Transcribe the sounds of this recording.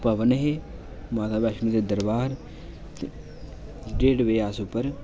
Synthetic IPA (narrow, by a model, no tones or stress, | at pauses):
pəʋənɦe | maːt̪ʰaːbɛːʃmĩd̪eːd̪əɾbaːɾ | ɖeːɖʋeːaːsʊpːəɾ